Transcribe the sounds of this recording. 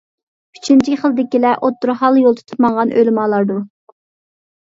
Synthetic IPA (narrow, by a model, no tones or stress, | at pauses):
y̥t͡ʃʰint͡ʃʰiχəlˠd̪ɪkʲilɛʔot̪ːuɾhɑlˠjolˠt̪ʰu̥t̪ʰu̥pmɑŋʁɑnʔø̰lɪmɑːlˠɑɾd̪u